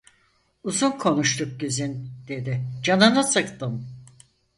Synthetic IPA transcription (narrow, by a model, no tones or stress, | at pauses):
uzunkʰo̞nuʃt̪ʰuk̚ɟyzynd̪̥e̞d̪ɪd͡ʒanɯnɯsɯkt̪ɯm